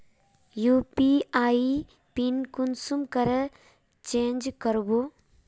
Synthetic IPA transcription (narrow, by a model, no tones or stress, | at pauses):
juːpiaːi | pinkunsumkəɾə | t͡ʃeːnd͡ʒkəɾbo